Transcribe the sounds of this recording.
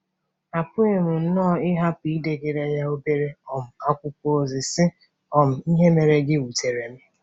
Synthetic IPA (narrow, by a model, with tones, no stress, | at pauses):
a˨pʊ˦e˨m̩˨n̩˦nɔ˦˨ɪ˦ɦa˦pi˨˦de˨ɡe˨ɾe˨ɲa˦o˦be˦ɾe˦ɔ˨m̩˨a˦kʷʊ˦ko˦o˨zɪ˨sɪ˦ | ɔ˨m̩˨i˦ɦe˦me˨ɾe˦ɡɪ˦wu˨te˨ɾe˨mɪ˦